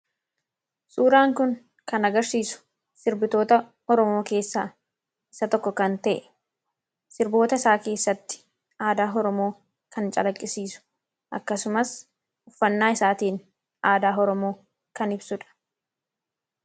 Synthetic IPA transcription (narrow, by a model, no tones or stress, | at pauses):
suːɾaːŋkʊŋ | kɐnɐɡɐɾsiːsʊ̥ | sɪɾbɪt̪o̞ːt̪ɐ | ɔɾɔmo̞ːke̞ːsːaː | ʔɪsɐt̪ɔkːɔkɐnt̪ɐ̰ʔɛ | sɪɾbo̞ːt̪ɐɪsaːke̞ːsːɐt̪ːɪ̥ | aːd̪aːɦɔɾɔmo̞ː | kɐnt͡ʃʼɐ̰lɐkʼːɪsiːsʊ̥ | ʔɐ̰kːɐsʊmɐs | ʊfːɐnːaːɪsaːt̪iːn | ʔaːd̪aːɦɔɾɔmoː | kɐnɪbsʊᶑɐ̥